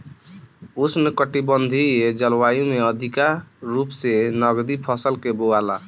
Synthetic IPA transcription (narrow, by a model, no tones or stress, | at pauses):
usnəkəʈibənd̪ʱied͡ʒəlwajumeəd̪ʱikaɾupsenəɡd̪ipʰəsəlkeboala̰